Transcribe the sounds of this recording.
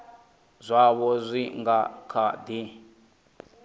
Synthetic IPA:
zʷaβɔzʷiŋɡakʰad̪i

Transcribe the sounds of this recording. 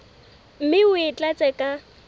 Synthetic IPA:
m̩mɪʊɪt͡ɬʼat͡sʼɛkʼa

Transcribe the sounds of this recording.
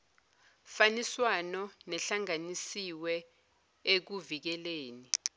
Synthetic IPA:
faniswanɔnɛɬaŋanisiwɛ | ek̬uvik̬ɛleːni

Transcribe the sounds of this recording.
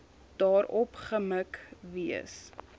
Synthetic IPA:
d̥ɑːɾɔpχəməkviə̰s

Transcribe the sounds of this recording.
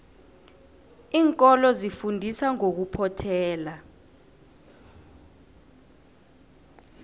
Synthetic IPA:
iːŋkʼɔlɔzifundʱisaŋok̬upʰɔtʰɛːla

